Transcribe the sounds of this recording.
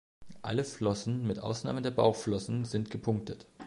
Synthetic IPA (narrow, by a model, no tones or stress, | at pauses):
ʔa̰ləflɔsn̩mɪtʔa̰ʊsna̰ːmədeːɐba̰ʊxflɔsn̩zɪntɡ̥əpʰʊŋktət